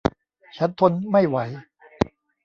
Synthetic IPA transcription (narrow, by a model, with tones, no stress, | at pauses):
t͡ɕʰa˦˥nt̪ʰo˧nma˥˩jwa˦j